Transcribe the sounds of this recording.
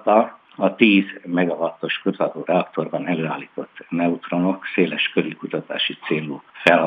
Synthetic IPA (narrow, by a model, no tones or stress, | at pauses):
t̪ɒ | ɒt̪iːzmɛɡɒvɒt̪ːo̞ʃkøzɒd̪oːrɛɒkt̪o̞rbɒnɛløːaːliːt̪o̞t̪ːnɛut̪ro̞no̞kseːlɛʃkølikut̪ɒt̪a̰ːʃit̪seːlufɛlɦ